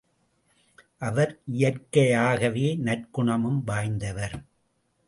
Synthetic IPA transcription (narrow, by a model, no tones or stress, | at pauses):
ʔɐʋɐɾʔɪjɐrkɐjaːɣɐʋeːnɐrkʊɳɐmɯmʋaːjnd̪ɐʋɐɾ